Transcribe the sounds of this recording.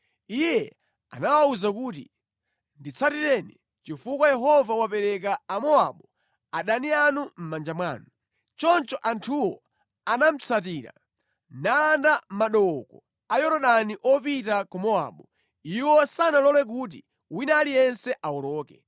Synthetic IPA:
ijɛ | a̰nawauzakuːt̬ḭ | ndit͡sʰatiɾɛni | t͡ʃifukwajɛɦɔvawapɛɾɛk̬aːmɔaɓɔ | aɗanianum̩mand͡ʒamwaːnu | t͡ʃɔnt͡ʃɔʔantʰuwɔ | anam̩t͡sʰat̬iːɾa̰ | nalandam̩maɗɔkɔ | ajɔɾɔɗaniʔɔpitakumɔa̰ɓɔ | iwɔsanalɔlɛk̬ut̬i | winalijɛnsɛʔawɔlɔːkɛ

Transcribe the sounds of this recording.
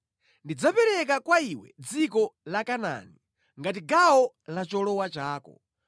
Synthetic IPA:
ndid͡zapɛɾɛk̬akwaiwɛ̰d͡zikɔlakana̰ni | ŋɡat̬iɡawɔ | lat͡ʃɔlɔwat͡ʃaːkɔ̰

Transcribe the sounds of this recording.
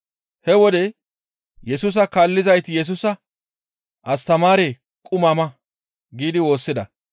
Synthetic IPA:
hɛwɔd̪ɛ | jɛsuːs̬ɐkaːlːɪzɐjt̪ɪjɛs̬uːsɐ | ʔɐst̪ɐmaːɾe̞ː | kʼʊmaːmɐ | ɡiːd̪ɪwo̞ːsːɪd̪ɐ

